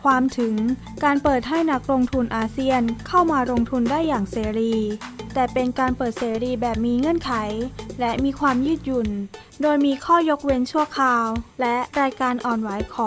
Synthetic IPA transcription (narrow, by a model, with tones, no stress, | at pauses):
kʰwaː˧mt̪ʰɯ˩˦ŋ | kaː˧npɤː˨˩t̪̚ɦa˥˩jna˦˥k̚ɾo˧ŋt̪ʰu˧nʔaː˧si˥˩ənkʰa˥˩wmaː˧ɾo˧ŋt̪ʰu˧ndaː˥˩jːaː˨˩ŋseː˩˦ɾiː˧t̪ɛː˨˩pe˧nkaː˧npɤː˨˩t̪̚seː˩˦ɾiː˧bɛː˨˩p̚miː˧ŋɤ˧˥˨nkʰa˩˦jlɛ˦˥miː˧kʰwaː˧mjɯː˥˩t̪̚ju˨˩n | doː˧jmiː˧kʰɔː˥˩jo˦˥k̚we˦˧˥nt͡ɕʰu˥˩ɐkʰaː˧wlɛ˦˥ɾaː˧jkaː˧nʔɔː˨˩nwa˩˦jkʰɔː˨˦ŋ